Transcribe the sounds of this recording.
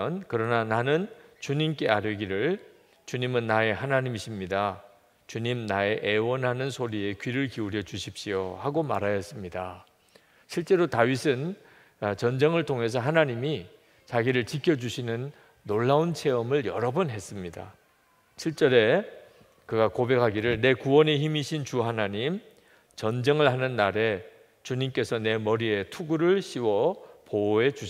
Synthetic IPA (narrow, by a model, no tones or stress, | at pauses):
ʌnkɯɾʌnananɯnt͡ɕuɲimk͈e̞aɾjɯɡiɾɯɭ | t͡ɕuɲimɯnːae̞ɦanaɲimiɕʰimɲida | t͡ɕuɲimnae̞ʔewʌnɦanɯnsʰoɾie̞kɥiɾɯɭkiuɾjʌd͡ʑuɕʰip̚ɕ͈ijohaɡoma̰ɾajʌs͈ɯmɲida | ɕʰiɭt͡ɕ͈e̞ɾotaɥisʰɯn | t͡ɕʌnd͡ʑeŋɯɭtʰoŋɦe̞s̬ʰʌɦanaɲimi | t͡ɕaɡiɾɯɭt͡ɕikʰjʌd͡ʑuɕʰinɯnː | oɭːaunt͡ɕʰe̞ʌmɯɭjʌɾʌbunɦe̞s͈ɯmɲida̰ | ɕʰiɭt͡ɕ͈ʌɾe̞ | kɯɡakobe̞kʰaɡiɾɯɭne̞kuwʌneçimiɕʰint͡ɕuɦanaɲim | t͡ɕʌnd͡ʑeŋɯɭhanɯnːaɾe̞ | t͡ɕuɲimk͈e̞sʰʌne̞mʌɾie̞tʰuɡuɾɯɭɕʰiwʌpoe̞t͡ɕuɕ